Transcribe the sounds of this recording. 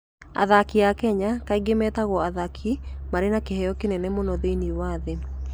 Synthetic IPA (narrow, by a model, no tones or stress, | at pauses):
a̰ðakiakɛɲakaiɡemɛtaɣwɔaðakʰimaɾenakeɦɛjɔkenɛnɛmonɔðeiniwaðe